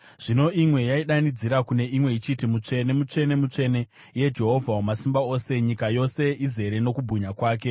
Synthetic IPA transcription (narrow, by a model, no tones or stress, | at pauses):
ʐ̥ino̞imwe̞jaiɗanid͡ziɾakune̞imwe̞it͡ʃitimut͡ʂe̞ne̞mut͡ʂe̞ne̞mut͡ʂe̞ne̞ | je̞d͡ʒe̞ɦo̞vʱawomasimbao̞se̞ɲikajo̞se̞ʔize̞ɾe̞no̞kubʱuɲakwaːk̬e̞